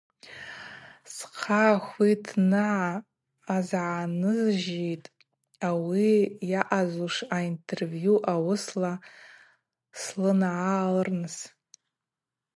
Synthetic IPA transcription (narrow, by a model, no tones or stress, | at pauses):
sqʰaxʷidʰnɨʕaː | zʕanɨzʒejtʼ | awijaʔazuʂaintʰe̞rvjuʔawʊsla | slɨnʕalɨrnɨs